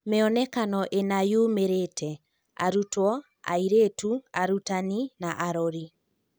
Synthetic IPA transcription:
meɔnɛkanɔʔenajuːmeɾetʰɛ | a̰ɾutwɔ | a̰iɾetuaɾutaninaʔaɾɔɾi

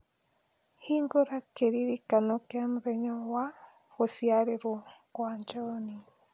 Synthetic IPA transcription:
hiŋɡoɾakeɾiɾikanɔkeamuðɛɲɔwa | ɣosiaɾeɾwɔkwaɲd͡ʒɔni

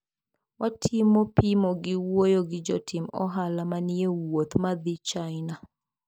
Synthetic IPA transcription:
watʰimopimoɡɪwojoɡɪd͡ʒɔtʰɪmɔ̰ɦalamaniewot̪mad̪it͡ʃaɪna

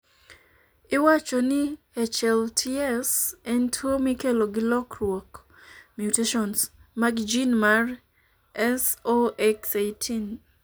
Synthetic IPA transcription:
ɪwat͡ʃɔnɪ | ɛt͡ʃɛltʰiɛsɛntʰwomɪkeloɡɪlɔkɾwɔk | mjuteʃɔnsmaɡd͡ʒinmar | ɛsoɛksejtʰin

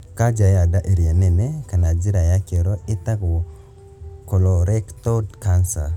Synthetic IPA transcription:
kad͡ʒajadaʔeɾianɛnekanad͡ʒiɾajakeɾoɪt̪akɔ | kolɔɾɛkt̪ɔdkansa

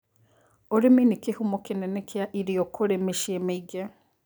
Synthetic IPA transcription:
oɾeminikehumokenɛnekʰeaʔiɾiɔkʰoɾemeʃiemeiɡe

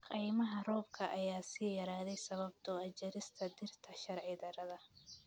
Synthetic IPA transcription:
qʼijmɐɦɐrɔːb̚kʰɐʔɐjaːsiːjɐɾaːðɛjsɐβɐb̚t̪ʰɔɐd͡ʒɐɾɪst̪ʰɐd̪ɪrt̪ʰɐʃɐrʕɪd̪ɐɾɐðɐ

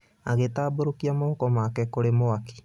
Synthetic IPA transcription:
aɣetaːboɾokiamokɔmaːkɛkoɾemoaki̥

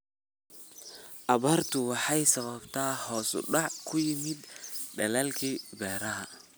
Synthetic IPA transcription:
ʔɐβaːrt̪ʰʊwɑħɑjsɐβɐbt̪ʰaːhɔːsʊ̰ɖɑʕkʰʊjɪmɪd̪ɖɐlɐːlkʰiːbɛːɾɐɦɐ

